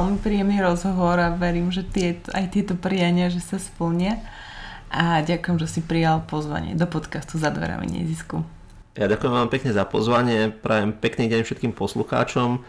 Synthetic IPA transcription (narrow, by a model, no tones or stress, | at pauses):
ʋɛlmipɾiːjɛmniːɾɔzɦɔʋɔɾaʋɛɾiːmʒɛt̪ɪɛt̪ajt̪ɪɛt̪ɔpɾiaɲɪaʒɛsaspl̩ɲɪa | ʔaɟakujɛmʒɛsipɾijalpɔzʋa̰ɲɪɛ̰d̪ɔpɔt̪kast̪uzad̪ʋɛ̰ɾa̰mḭɲɛ̰zisku | jaɟakʊjɛmʋampɛkɲɛzapɔ̰zʋaɲɪɛpɾaːjɛmpɛkniːɟɛɲfʃɛt̪̚kiːmpɔsluxa̰ːt͡ʃɔm